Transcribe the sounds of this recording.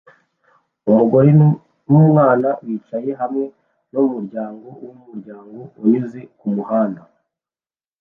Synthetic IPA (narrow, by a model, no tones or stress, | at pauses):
umuɡo̞ɾe | nwumŋaːnawiːt͡ʃaje̞ɦamŋe̞ | nomuɾɟaːŋɡo̞umumuɾɟaːŋɡo̞uɲuzekumuhaːnda